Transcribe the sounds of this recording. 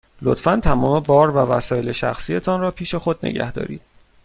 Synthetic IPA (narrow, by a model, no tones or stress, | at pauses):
lot̪fænt̪ʰæmɒːme̞bɒːɾvævæsɒːje̞le̞ʃæ̰xsiːe̞t̪ʰɒnrɒːpʰiːʃe̞xod̪̚nḛɟæ̰hd̪ɒ̰ːɾḭːd̪̥̚